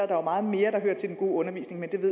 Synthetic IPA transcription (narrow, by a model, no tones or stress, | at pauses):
ɐd̥ɑ̈ʋɑmɑ̈ːð̞̩ˠme̝ːɐɾ̥ɑ̈høːɐ̰t͡sʰe̝ldenɡo̝̰ːɔ̽nɐʋḭːsne̝ŋmend̥e̝ʋe̝ð̰